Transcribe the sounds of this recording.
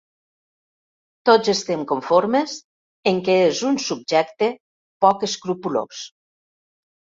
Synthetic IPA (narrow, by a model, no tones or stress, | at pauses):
t̪ozest̪emkoɱfoɾmez | eŋkeezunsub̚d͡ʒɛkt̪e | pɔkeskɾupulo̰s